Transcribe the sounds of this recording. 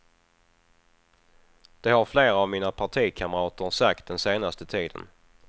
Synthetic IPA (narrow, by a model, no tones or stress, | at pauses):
d̪̥ɛɦaɾfleːɾaaːvmiːnapʰaʈʰiːkʰamɾɑːt̪əɾsak̚t̪̚d̪ɛnseːnast̪ət̪ʰiːd̪ə̰n